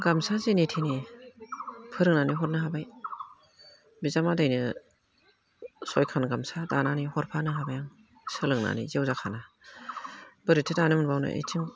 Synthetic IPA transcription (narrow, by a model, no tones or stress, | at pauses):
ɡamsazenitʰini | pʰɯɾɯŋnaniɦɔt̚nɯɦabaj | bizamadajnɯ | sɔjkʰanɡamsadananihɔɾpʰanɯɦabajaŋ | sɯlɯŋna̰nḭzwzakʰana | b̥ɯɾitʰitanɯmɯnbawnɯ̰ʔḛjtʰiŋ